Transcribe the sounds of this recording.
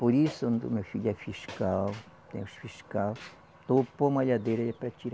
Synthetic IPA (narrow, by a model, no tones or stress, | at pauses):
poɾisʊnd̪ṵmefiʎafiʃkal | t̪ḛ̃j̃usfiʃkal | t̪opomaʎad̪eɾaapɾat͡ʃiɾ